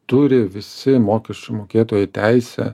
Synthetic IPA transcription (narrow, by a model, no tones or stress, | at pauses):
t̪ʊɾʲɪʋʲɪsʲɪmoːkʲɛʃʲt͡ʃʲʊmoːkʲeːt̪oːjɛt̪ʲæɪsʲɛ̰